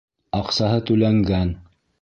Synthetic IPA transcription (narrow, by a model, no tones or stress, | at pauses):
ɑqsɑɦɤt̪ʉlæŋɡæn